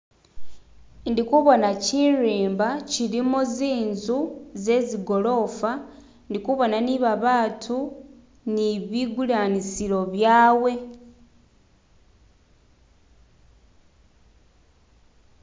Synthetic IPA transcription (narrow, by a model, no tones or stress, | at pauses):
ndikuβo̞naciɾiːmbaciɾimuziːnzuze̞ziɡo̞lo̞fa | ndikuβo̞naniβaβaːtʰu | niβiɡulaːnisilo̞βjaːwe̞